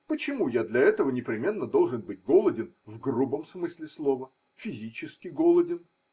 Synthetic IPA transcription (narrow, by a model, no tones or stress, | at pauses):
pət͡ɕɪmujad̪lʲɐɛt̪əvənʲɪpɾʲɪmʲe̞nːəd̪o̞lˠʐɨnbɨtʲɡo̞lˠədʲɪn | vɡrubəmsmɨsʲlʲɪslˠovə | fʲɪzʲit͡ɕɪskʲɪɡolˠədʲɪn